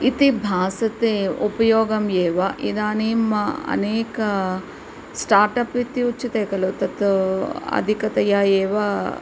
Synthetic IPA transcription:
it̪ibʱaːsɐt̪eupɐjoːɡɐmjeːʋaʔid̪aːniːmɐɐ̰neːkɐ | sʈaːɾʈɐpit̪iut͡ʃːit̪eːkɐlut̪ɐt̪uɐ̰d̪ʱikɐt̪ɐjaːjeːʋa

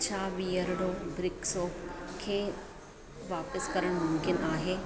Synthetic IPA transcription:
t͡ʃʰaːʋiːəɾɽoːbɾɪksoːpkʰeː | ʋaːpəskɐɾəɽ̃mʊ̃mkɪnaːɦeː

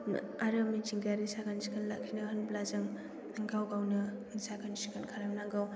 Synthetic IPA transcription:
aɾamit͡ʃiŋɡaɾisaɡansikʰanlakʰinɯɦənblazɯŋ | aŋɡawɡawnɯnsaɡansikankʰaɾamnaŋɡaw

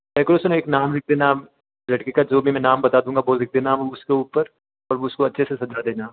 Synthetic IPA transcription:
ɛːkoɾosʊneːknaːmɾɪk̚ʰd̪eːna | lɐʈkekad͡ʒoːbʱimɛ̃naːmbɐt̪ad̪ũːŋɡabɔːt̪ɾɪk̚ʰd̪eːnamʊskeuːpəɾ | ɔːɾʊskoɐtːʃʰesesɐd͡ʒad̪eːnaː

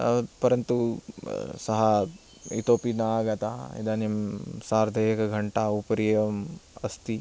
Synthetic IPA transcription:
pɐɾɐnt̪u | sɐɦɐ | ḭt̪oːpinaɡɐt̪aːḭd̪aːnimsaːɾd̪ʱeɐkɐɡʱɐɳʈaːupɐɾijeɐmɐst̪i

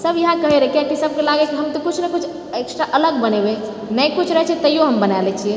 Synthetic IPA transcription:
səbʱjɐɦãkəɦeɾəkijakisəb̚ʱkelaɡɛkiɦəmt̪okut͡ʃʰnekut͡ʃʰ | eksʈɾaʔələɡbənebe | nəkut͡ʃʰɾəɦɛt͡ʃʰɛt̪əijoɦəmbənalɛt͡ʃʰiɛ

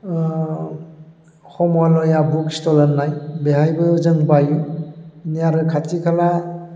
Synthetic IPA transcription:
hɔmɔlɔjabukstɔlaɾnːajbeɦajbɯzɯŋbaju | nijaɾɯkʰatʰikʰala

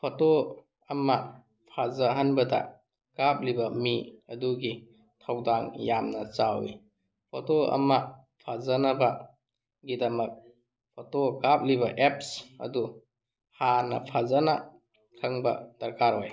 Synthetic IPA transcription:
pʰoto | ɐmɐ | pʰazaɦanbɐdɐ̰ | kap̚libɐmiɐduɡi | tʰawdaŋjamnɐt͡ʃawḭ | pʰotoɐ̰mɐ | pʰazanɐbɐ | ɡidɐmɐk̚ | pʰotokap̚liβɐʔep̚sɐ̰du | hanɐ̰pʰazana̰ | kʰɐŋbɐ̰d̥ɐɾkaɾɦoj

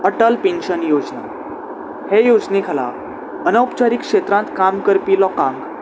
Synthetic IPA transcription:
əʈəlpenɕənjod͡ʑna̰ | hejod͡znekʰala̰ | ənəwpt͡ɕaɾikʂet̪ɾãnt̪kamkəɾpiːlɔkãŋɡ

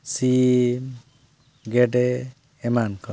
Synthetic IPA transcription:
si | ɡeɖeː | mankɔ

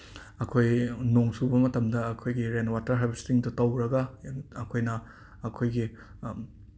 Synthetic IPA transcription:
ɐkʰojnoŋsubɐmɐtɐmdɐɐkʰojɡiɾenwatɐɾɦabstiŋdutɐwɾɐɡɐɐkʰojnɐː | kʰojɡi

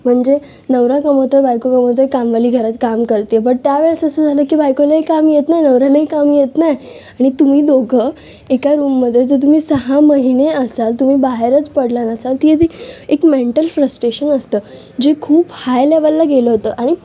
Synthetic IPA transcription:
m̤əɳd͡ze | nəʋɾakəmot̪əbajkokəmot̪əjkamʋaliːɡʱəɾat̪kamkəɾt̪ipəɳt̪jaʋeɭsəsəd͡zʱaləːkiːbajkolaɦikamjet̪najnəʋɾalaɦikamjet̪naj | aɽ̃it̪um̤iːd̪oɡʱə | ekaɾuːmːəd̪ʱːjed͡z̪ət̪um̤iːsəɦaməɦineəsalt̪umiːbaɦeɾət͡spəɽlanəsalt̪iet̪iekmeɳʈəlfɾəsʈɾeɕənəst̪əː | d͡ʑekʰuːphajleʋəlːaɡeləɦot̪əːʔaɽ̃i

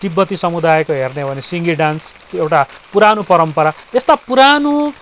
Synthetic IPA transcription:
ʈibːʌt̪isʌmud̪ajkoɦernebʱʌnesiŋɡiɖans | ewʈapuɾanopʌɾʌmpʌɾaest̪apuɾano

